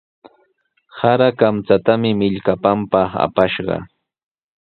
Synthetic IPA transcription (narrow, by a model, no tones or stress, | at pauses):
saɾakamt͡sat̪amɪmɪʎkapampɑχa̰paʃɢɑ̰